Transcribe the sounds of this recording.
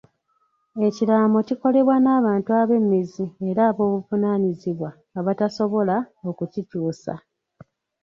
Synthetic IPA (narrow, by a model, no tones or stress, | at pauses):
e̞ciɾaːmo̞ciko̞le̞βwanaːβaːntuaβe̞mːizie̞ɾaːβo̞ːβuvunaniziβwaː | βataso̞βo̞lao̞kucituːsa̰